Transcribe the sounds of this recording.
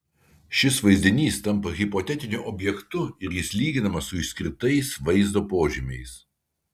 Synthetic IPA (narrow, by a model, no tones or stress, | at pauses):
ʃʲɪsʋɐɪzʲd̪ʲɪnʲiːst̪ɐmpɐɣʲɪpɔt̪ʲɛt̪ʲɪnʲʊʔɔbʲjɛkt̪ʊɪɾjɪslʲiːɡʲɪnɐmɐssʊɪʃsʲkʲɾʲɪt̪ɐɪsʋɐɪzd̪oːpoːʒʲɪmʲɛɪs